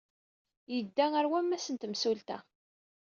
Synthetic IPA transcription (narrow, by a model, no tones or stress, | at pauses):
jəd̪ːæŋæɾwæmːæsənt̪əmsult̪æ̰